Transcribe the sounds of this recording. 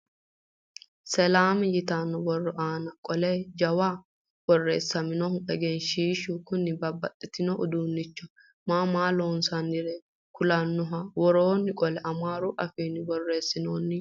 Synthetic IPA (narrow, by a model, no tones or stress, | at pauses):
sɛlaːmjɪt̪anːɔbɔrːɔʔaːnɐkʼɔlɛd͡ʒɐwaː | b̥ɔrːeːsːɐmɪnɔhʊɛɡeːnʃiːʃʊkʊnːɪbɐbːɐt̪ʼːɪt̪ɪnɔʔʊd̪uːnːɪt͡ʃːɔ | maːmaːloːnsɐnːɪɾɛ | kʊlɐnːɔɦawɔɾoːnːɪkʼɔlɛʔɐmaːɾʊʔɐfiːnɪbɔrːe̞ːsːɪnoːnːɪ